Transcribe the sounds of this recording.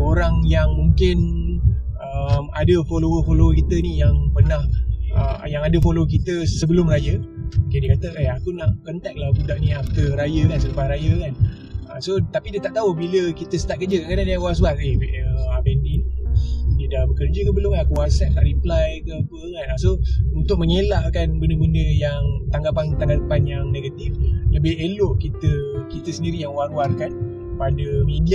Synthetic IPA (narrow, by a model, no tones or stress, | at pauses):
oɾaŋjaŋmuŋkɪn | əma̰dəfolowəfolokit̪ənijaŋpərnahə̰jaŋadəfolok̬it̪əsəbəlʊmrajəkdikat̪əejakunaʔkənt̪ɛk̚lahbudaʔnĩaf̚t̪əɾajəkansəlupaɾajəkan | əsot̪apidət̪aʔt̪aubiləkit̪əsə̥t̪aʔ̚kərd͡ʒəkakadandiakwasbateʔəabɛndin | didaʔbəkərd͡ʒəkəbəlʊŋakuasant̪a̰ʔɾiplajkəpəŋanasount̪ʊk̚məŋelahkanbəndəbəndəjaŋt̪aŋɡapant̪aŋɡapanjaŋneɡat̪ifləbɪhelʊʔkit̪əkit̪əsəndiɾijaŋwarwarkan | padəmĩndia